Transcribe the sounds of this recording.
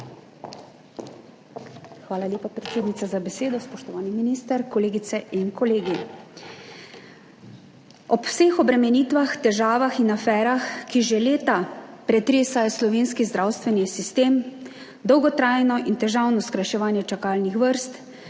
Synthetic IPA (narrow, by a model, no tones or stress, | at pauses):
xʋaːlalʲjeːpapɾɛt̪seːd̪nit̪azabɛseːd̪ɔspɔʃt̪ɔʋaːniminiːst̪əɾkɔleːɡit̪sɛʔinkɔleːɡi | ɔpwseːxɔbɾɛmɛniːt̪ʋaxt̪ɛʒaːʋaxinafɛːɾaxkiʒɛleːt̪apɾɛt̪ɾeːsajɔslɔʋeːnskizd̪ɾawst̪ʋɛnisist̪eːm | d̪ɔwɡɔt̪ɾaːjnɔʔint̪ɛʒawnɔskɾajʃɛʋaːnjɛt͡ʃakaːlnixʋəɾst̪